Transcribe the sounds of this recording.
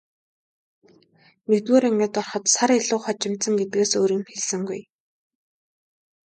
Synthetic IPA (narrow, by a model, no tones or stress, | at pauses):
net̪ɣoːɾiŋɡĕːt̪ɔrχɞ̆t̪saɾeɮʊːχɔt͡ɕɪ̆m̥t̪sə̆ŋɡet̪̚ɡeːsoːɾiːmxeɮsɘ̆ŋɡṵj